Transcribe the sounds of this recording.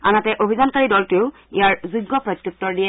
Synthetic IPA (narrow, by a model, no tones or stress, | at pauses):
a̰natɛʔobʱizankaɹidɔltʊʊ | ijaɹzuɡːɔpɹɔt̪juk̚tɔɹdiɛ